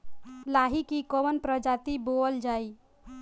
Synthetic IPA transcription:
laɦikikɔwənpɾəd͡ʒat̪iboəld͡ʒaːi

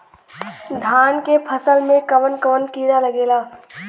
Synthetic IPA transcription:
d̪ʱaːnkepʰəsəlmẽkəʋənkəʋənkiːɾaləɡeːlaː

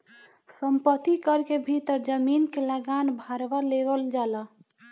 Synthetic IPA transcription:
səmpət̪ikəɾkebʱit̪əɾd͡ʒəminkeləɡanbʱaɾʋaleʋəld͡ʒaːla

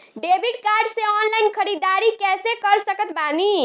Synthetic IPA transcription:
ɖebʱiʈkaɾɖseɔnlainkʰəɾid̪aɾikɛsekəɾsəkət̪bani

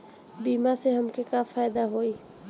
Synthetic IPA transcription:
biːmaseɦɐmkekafaːjd̪aɦoːiː

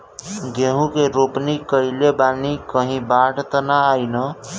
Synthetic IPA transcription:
ɡʱeɦũkeɾopnikəɪlebanikəɦĩbaɽt̪ənaːjnə

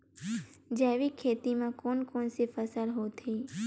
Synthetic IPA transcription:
d͡ʒaʋikʰet̪imãkonkonsifəsəlɦot̪ʰi

